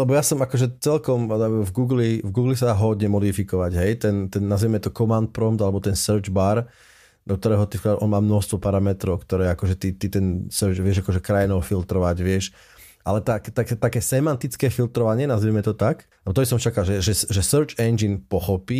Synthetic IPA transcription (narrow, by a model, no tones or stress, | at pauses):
lɛbɔjasɔmakɔʒɛt͡sɛlkɔmvɡuːɡlivɡuːɡlisaaːɦɔd̪ɲɛmɔd̪ifikɔʋaɟɦɛjt̪ɛnt̪ɛnːaziʋimɛt̪ɔkɔmant̪̚pɾɔmt̪alɛbɔt̪ɛnsəɾd͡ʒbaɾ | d̪ɔk̚t̪ɔɾɛːɦɔt̪ifkʔɔnmaːmnɔst̪ʋɔpaɾamɛt̪ɾɔʊkt̪ɔɾɛːakɔʒɛt̪it̪it̪ɛnsəɾt͡ʃʋɪɛʒakɔʒɛkɾajnɔʊfilt̪ɾɔʋaɟʋɪɛʃ | ʔa̰lɛt̪akt̪akt̪akɛːsɛmant̪it͡skɛːfilt̪ɾɔʋaɲɪɛnaziʋimɛt̪ɔt̪aklɛbɔt̪ɔbisɔmt͡ʃakalʒɛʒɛʒɛsəɾt͡ʃɛnd͡ʒinpɔxɔpiː